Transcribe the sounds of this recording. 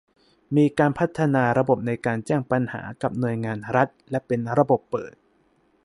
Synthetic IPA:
miː˧kaː˧npʰa˦˥t̪ʰːa˧naː˧ɾa˧bo˨˩p̚na˧jkaː˧nt͡ɕɛː˥˩ŋpa˧nha̰ː˩˦ka˨˩p̚nu˨˩əjŋaː˧nɾa˦˥t̪̚lɛ˦˥pe˧nɾa˧bo˨˩pːɤ̰ː˨˩t̪

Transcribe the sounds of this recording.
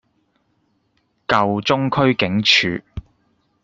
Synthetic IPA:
kɐ˨wt͡sʊ˥ŋkʰɵ˥ɥkɪ˨˥ŋt͡ʃʰy̰ː˨

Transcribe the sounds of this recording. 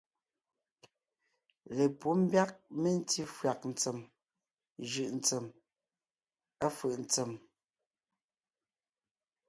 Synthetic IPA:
le˨pu˦m̩˦bja˦k̚me˦n̩˦ti˦fɰa˨k̚n̩˨t͡se˨m | ʒɯ˨ʔn̩˨t͡se˨m | a˦fɯ˨ʔn̩˨t͡se˨m

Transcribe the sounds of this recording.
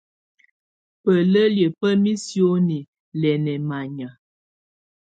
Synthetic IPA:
pə˨lə˦ljə˨pə˦mi˦sjo˦ni˨ | lɛ˨nɛ˨ma˨ɲa˨

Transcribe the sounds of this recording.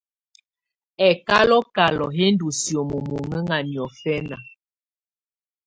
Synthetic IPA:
ɛ˨ka˦lɔ˦ka˨lɔ˨ɦe˦n˦du˨sjo˨mo˨mo˨ŋə˦ŋa˨ni˨ɔ˨fɛ˦na˨

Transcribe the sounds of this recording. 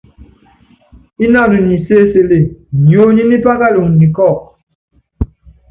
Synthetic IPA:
i˦na˦˨nu˨ni˨se˦se˨le˦˨ɲ˨o˦ɲi˦ni˦pa˦ka˦lu˨ŋni˨kɔ˦˨k̚

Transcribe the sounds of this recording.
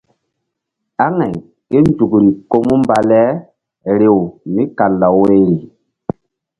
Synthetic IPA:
a˦ŋa˨j | ke˦nd͡ʒu˨kɾi˨ko˦mu˦mba˨lɛ˦ | ɾe˨wmi˦ka˨lːa˨wwe˦ɾi˨

